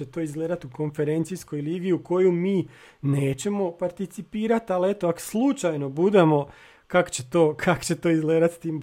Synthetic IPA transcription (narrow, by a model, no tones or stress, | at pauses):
et̪o̞izɡleːd̪at̪uko̞nfe̞ɾe̞nt̪sisko̞jliːɡiuko̞jumiː | ne̞ːt͡ɕe̞mo̞paɾt̪it̪sipiːɾat̪ale̞t̪oako̥slˠut͡ʃajno̞bud̪e̞mo̞ | kakt͡ɕet̪o̞ːkʰako̥t͡ɕe̞t̪o̞ːizɡleːd̪at̪st̪iːm